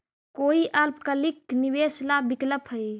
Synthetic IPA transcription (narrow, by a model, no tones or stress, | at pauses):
koiʔalpkəlikːniʋeslabikləpɦəj